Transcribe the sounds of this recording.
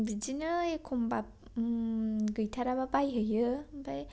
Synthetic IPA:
bid͡ʒinɯekʰombap̚ | ɡɯjtʰaɾababajɦɯjɯbaj

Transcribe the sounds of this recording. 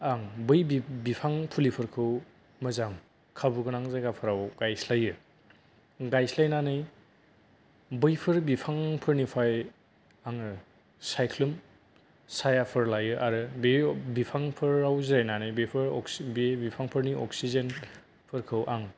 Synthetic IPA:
aŋbɯjibipʰaŋpʰulipʰɯɾkʰɯw | mɐzaŋ | kʰabuɡɯnaŋzaɡapʰɯɾawɡ̥ajslajɯ | ɡajslajnanɯj | bɯjpʰɯɾbipʰaŋpʰɯɾnipʰaj | aŋɯ | sajkʰlum | sajapʰɯɾlajɯʔaɾɯbebipʰaŋpʰɯɾawziɾajnanɯjbepʰɯɾɔbebipʰaŋpʰɯɾniɔ̰ksizen | pʰɯɾkʰɯwʔaŋ

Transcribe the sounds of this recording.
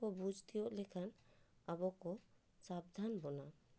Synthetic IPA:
ɔbud͡ʒʱt̪ijɔʔlɛkʰanabɔkɔ | sab̚d̪ʱanbɔna

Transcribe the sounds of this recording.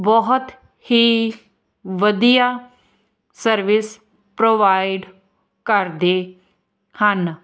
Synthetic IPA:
bɔɦʊt̪ | hiː | ʋəd̪ijaː | səɾʋɪs | pɾoːʋaːɪɖ | kəɾd̪eː | hən

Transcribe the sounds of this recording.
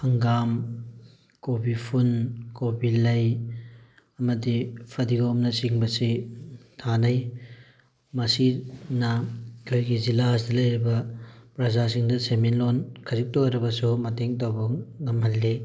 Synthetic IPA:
hɐŋɡam | kobipʰunkobilɐj | ɐmɐdipʰɐdiɡomnɐsiŋbɐsitʰanɐj | mɐsinɐkʰojɡizilas̬dɐlɐjɾibɐpɾɐzasiŋdɐseminlonkʰɐzik̚toɾɐbɐsumɐteŋtawbɐŋɐmɦɐlːi

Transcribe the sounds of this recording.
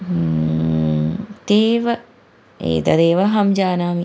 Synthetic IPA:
t̪eːʋə | ḛːd̪ɐd̪eːʋaɦɐmd͡ʒaːnaːmi

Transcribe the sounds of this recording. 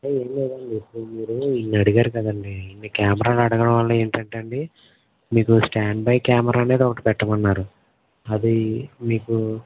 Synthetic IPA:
ɐeːmleːd̪ɐɳɖipumiːɾuinːiɐɽiɡaːɾukɐd̪ɐɳɖiːnːikaːmɐɾaːlɐɽɐɡɐɽɐ̃mʋɐlːɐeːɳʈɐɳʈɐɳɖi | miːkusʈaːɳɖbɐjkaːmɐɾʔaːne̞ːd̪ɔkɐʈipɛʈːɐmɐnːaːɾu | ɐd̪imiːku

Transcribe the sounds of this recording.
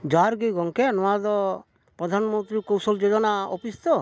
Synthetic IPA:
d͡ʒaɾɡiɡɔŋkenɔad̪ɔ | pɾɔd̪ʱanmɔnt̪ɾikɔwsɔld͡ʒod͡ʒɔnaɔ̰pist̪ɔ

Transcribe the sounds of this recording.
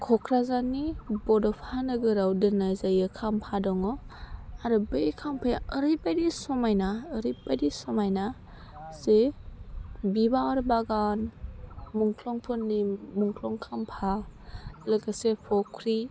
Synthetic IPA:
kʰɔkʰɾazanibɔdɔpʰanɯɡɯɾawdɯnazajɯkʰampʰadɔŋɔaɾɯbekʰampʰajəɾibadisɔmajnaːɾibadisɔmajna | se | bibaɔɾbaɡan | muŋkʰlɔŋpʰɯnːimuŋkʰlɔŋkʰampʰa | lɯɡasepʰɔkʰɾi

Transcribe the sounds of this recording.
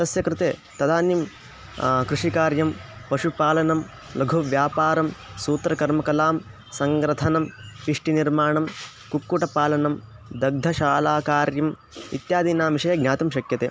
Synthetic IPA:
t̪ɐsjɐkɾɪt̪eːt̪ɐd̪aːnjɐm | kɾuʂikaːɾjɐmpɐʃupaːlɐnɐm | lɐɡʱuʋjaːpaːɾɐmsuːt̪ɾɐkɐɾmɐkɐlaːm | sɐŋɡɾɐt̪ʰɐnɐmpiʂʈiniɾmaːɳɐm | kukːuʈɐpaːlɐnɐm | d̪ɐɡ̚d̪ʱɐʃaːlaːkaːɾjɐm | ḭt̪jaːd̪iːnaːmʋiʃɐjɐɡnʲaːt̪ɐmʃɐkjɐt̪eː

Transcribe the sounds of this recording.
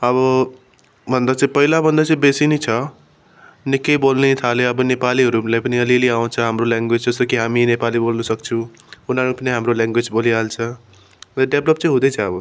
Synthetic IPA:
ʌβʌ | bʱʌnd̪at͡sʌ̃ĩpʌɦilabʱʌnd̪at͡sʌ̃ĩbesinit͡sʰʌ | nikːʌjbolnet̪ʰaleʌbʌnepaliɦʌɾulajpʌniʌliliaw̃t͡sʰʌɦamrolaŋɡwed͡zd͡zʌsokiɦaminepalibolnʌsʌkt͡sʰʌw | unaɾupʌniɦamrolãŋɡwed͡zboliɦalt͡sʰʌ | rʌɖeblʌpt͡sʌ̃ĩɦũd̪ʌjt͡sʰʌːbʌ

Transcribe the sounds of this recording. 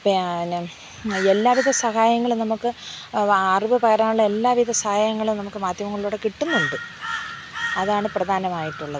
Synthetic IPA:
penː | elːaːʋiðʱɐsɐɦaːjɐŋːɐɭumnɐmukːɨ | aːruʋɐpɐɣɐɾaːuɭːɐe̞lːaːʋid̪ʱɐsɐhaːjɐŋːɐɭumnɐmukːɨmaːd̪jɐmɐŋːɐɭiɭuːɽekiʈːunːuɳɖɨ | ɐðaːɳɨprɐd̪ʱaːnɐmaːjiʈːuɭːɐðɨ

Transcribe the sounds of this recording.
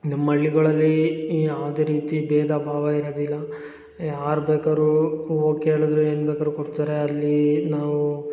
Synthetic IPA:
nɐmːɐɭːiɡɐɭɐlːijaːʋɐd̪eːɾiːt̪ibɛːd̪ʱabʱaːʋɐiɾod̪ilːɐ | jaːɾbeːkaːɾuoːkeːɭud̪ɾue̞ːnbeːkaːɾukoɽt̪aːɾe̞ɐlːinaːʋu

